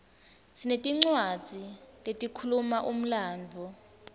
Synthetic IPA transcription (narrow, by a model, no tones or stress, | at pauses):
tʰinetʼiŋ͡ǀwḁd͡z̥ʱiletʼikʰulumaʔum̩laːnd͡vʱɔ